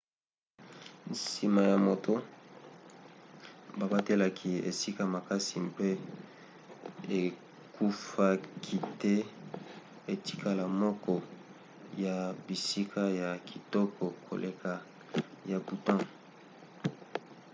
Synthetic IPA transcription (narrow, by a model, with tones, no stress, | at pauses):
nsi˨ma˨ja˨mo˨to˦ | ba˨ba˦te˦la˨kʰi˨ḛ˨si˦ka˨ma˨ka˦si˨mpe˦ | e˨ | kʰu˦fa˦kʰi˦˨te˦ | e˨ti̥˦kʰa˦la˨mɔ˦kɔ˦ | ja˨bi˨si˦kʰa˦ja˨kʰi˨tɔ˦kʰɔ˨kʰo̰˨lʔe˨kʰa˨ | ja˨bu˨tã˦